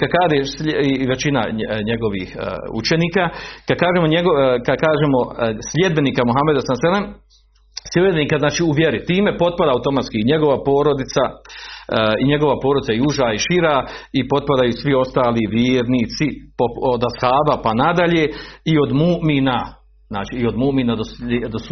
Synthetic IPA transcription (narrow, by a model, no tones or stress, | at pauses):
kakaːd̪esiʋe̞t͡ʃina̰ɲe̞ɡo̞ʋḭːhṵt͡ʃe̞niːkaːkad̪̚kaːʒeːmo̞ɲeɡokad̪kaːʒemo̞slʲe̞d̪be̞niːkamuɦamed̪asanselem | slʲebeeniːkaznaːt͡ʃiːuʋjeɾit̪iːme̞po̞t̪̚pad̪aːuwt̪o̞mat̪skiiɲe̞ɡo̞ʋapo̞ːɾod̪it̪sa | iɲe̞ɡo̞ʋapoːɾo̞d̪it̪ajuʒaːiʃiɾaːipo̞t̪̚pad̪ajuːsʋio̞st̪aːliʋjeːɾniːt̪sipood̪ashaːbapanad̪aʎeːio̞d̪muːʔmiːna | zna̰ːt͡ʃiːo̞d̪muːmiːnad̪osed̪os